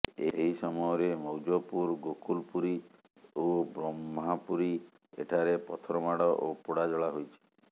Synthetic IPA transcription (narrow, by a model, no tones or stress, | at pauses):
eɦisɔmɔjɔɾemɔwd͡ʒopuɾɡokulpuɾi | obɾɔmɦapuɾi | ḛʈʰaɾepɔt̪ʰɔɾɔmaɽɔʔopuɽad͡ʒɔɭaɦojt͡ʃʰi̥